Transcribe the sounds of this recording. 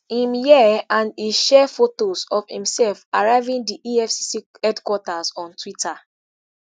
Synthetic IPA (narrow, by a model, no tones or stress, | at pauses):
ĩmjɛãndiʃɛfotozɔfhĩmsɛlfaɹaɪvĩndiʔiɛfssi | hɛdkwɔtazɔ̃ntʰwita